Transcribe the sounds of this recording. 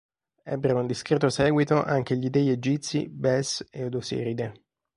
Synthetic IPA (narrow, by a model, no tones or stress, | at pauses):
ɛ̰bːeɾund̪iskɾeːt̪ːosɛːɡwit̪oʔaŋk̟eʎid̪ɛied͡ʒit̪sḭbɛseod̪osḛɾid̪e